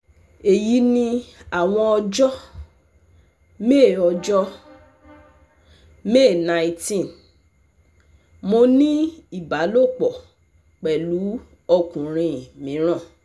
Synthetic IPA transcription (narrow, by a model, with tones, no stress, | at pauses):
e˨ji˨˦nĩ˧a˨w̃ɔ̃˧ɔ˧d͡ʒɔ˦ | me˦˨ɔ˧d͡ʒɔ˦ | me˦˨nã˨i˦˧tĩ˦˨n | mo˧nĩ˦i˦˨ba˨˦lo˦˨k͡pɔ˨ | k͡pɛ˨lu˨˦ | ɔ˧kũ˨ɾ̃ĩ˧˨mĩ˨˦ɾ̃ã˦˨